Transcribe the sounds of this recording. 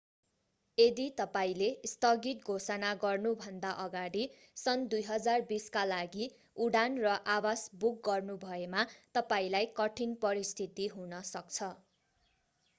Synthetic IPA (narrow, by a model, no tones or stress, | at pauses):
ed̪it̪ʌpaĩlest̪ʌɡit̪̚ɡʱosʌnaɡʌrnubʱʌnd̪aʔʌɡaɽi | sʌnd̪ujɦʌd͡zarbiskalaɡi | uɽanrʌʔawasbuk̚ɡʌrnubʱʌemat̪ʌpaĩlajkʌʈʰinpʌɾist̪ʰit̪iɦunʌsʌk̚t͡sʰʌ